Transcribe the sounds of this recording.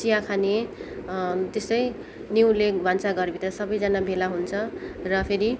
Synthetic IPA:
sijakʰane | t̪est̪ʌj | niwlebʱʌnt͡saɡʌrbʱit̪ʌsʌbʌjd͡zanabʱelaɦunt͡sʰʌrʌpʰeɾi

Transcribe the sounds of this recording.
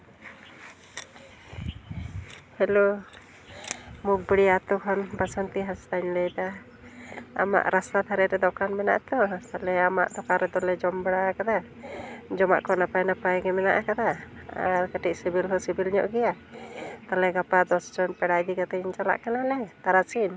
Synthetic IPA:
hɛlo | muk̚bəɽijat̪ɔkʰɔnbasɔnt̪iɦast̪aɲlɛjd̪a | a̰ma̰ʔɾast̪at̪ʰaɾɛɾɛd̪ɔkanmɛna̰ʔt̪ɔt̪alɛama̰ʔd̪ɔkaɾɛd̪ɔlɛd͡ʒɔmbɛɽakad̪a | d͡ʒɔma̰ʔkɔnapajnapajɡɛmɛna̰ʔakad̪a | a̰ɾkəʈiʔ̚sibilhɔsibilɲɔ̰ʔɡɛja | t̪alɛɡapad̪ɔsd͡ʒɔnpɛɽajd̪ikat̪aɲt͡ʃala̰ʔkanalɛt̪aɾasin

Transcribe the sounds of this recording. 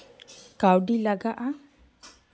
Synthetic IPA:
kawɖilaɡaʔa

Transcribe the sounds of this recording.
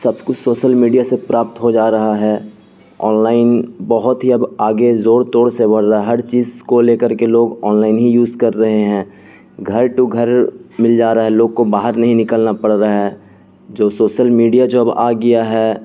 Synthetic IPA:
sɐbkʊt͡ʃʰsoːʃəlmiːɖijasepɾaːp̚t̪ɦod͡ʒaːɾɐɦaɦɛː | ɔːnlaːɪnbɐɦʊt̪ɦiɐbaːɡezoːɽt̪oːɽsebʱɐɽɾaɛɦɐɾt͡ʃiːzkoleːkəɾkeloːɡɔːnlaːɪnɦijuːzkɐɾːɐɦeɦɛ̃ː | ɡʱɐɾʈuɡʱəɾmɪld͡ʒaːɾaɦɛloːɡ̚kobaːɦəɾnɐɦĩnɪkəlnapɐɽɾaɦɛː | d͡ʒoːsoːʃəlmiːɖijad͡ʒoːɐba̰ːɡɐjaɦɛ

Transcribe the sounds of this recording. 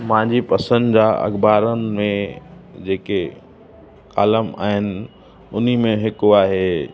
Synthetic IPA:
mãːɲd͡ʑipɐsə̃nd̪d͡ʑaɐ̰ɡbaːɾənɪ̆mẽd͡ʑeːke | ka̰ːləma̰ːɦɪnɪ̆ | ʊn̤imẽɦɪkoaːɦe

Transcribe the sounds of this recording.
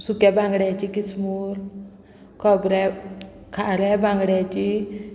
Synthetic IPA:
sukjabʱãŋɡɽjat͡ɕikismuɾ | kʰɔbɾɛkʰaɾɛbʱãŋɡɽjat͡ɕi

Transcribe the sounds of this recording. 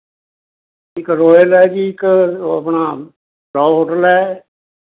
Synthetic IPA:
ɪkɾoːjəlɛːd͡ʒiɪkːə̰pɳaː | ɾɔːɦoːʈəlɛː

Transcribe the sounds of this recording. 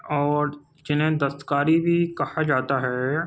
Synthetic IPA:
ɔːɾ | d͡ʒɪnɦẽd̪ɐst̪ə̥kaːɾibʱikɐhad͡ʒaːt̪aɦɛː

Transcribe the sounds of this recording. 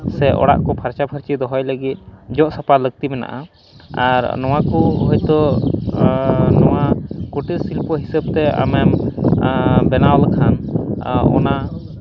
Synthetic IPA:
sɛʔɔ̰ɽa̰ʔkɔpʰaɾt͡ʃabʰʱəɾt͡ʃid̪ɔɦɔjləɡit̪̚d͡ʒɔʔsapaləɡ̚t̪imɛna̰ʔa̰ | aɾnɔw̃akuɦɔjt̪ɔ | nɔwakuʈəsilpɔɦisəb̚t̪ɛa̰mɛm | bɛnaɔlkʰan | ɔ̰na

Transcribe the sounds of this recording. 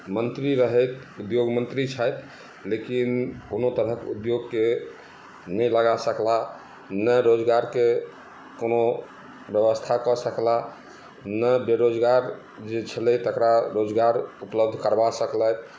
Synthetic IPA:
mənt̪ɾiɾəɦəjt̪ | ud̪joɡmənt̪ɾit͡ʃʰəjt̪ | lekinkonot̪əɾəkud̪joɡke | nəjləɡasəkla | nəɾod͡ʒɡaɾke | kono | bjəβəst̪ʰakɔsəkla | nəbeɾod͡ʒɡaɾ | d͡ʒet͡ʃʰələt̪əkɾaɾod͡ʒɡaɾupləb̚d̪ʱkəɾbasəklət̪

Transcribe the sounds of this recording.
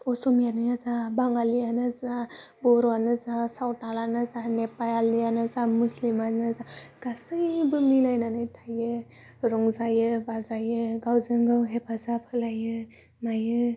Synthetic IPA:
ɔsɔmijanɯjazabaŋalijanɯzabɔɾɔanɯzasawtalanɯzanepajalijanɯzamuslimanɯzaɡ̥asɯjbɯmilajnanɯjtʰajɯ | ɾɔŋzajɯbazajɯɡawzɯŋɡɯwɦepazapʰɯlajɯ | majɯ

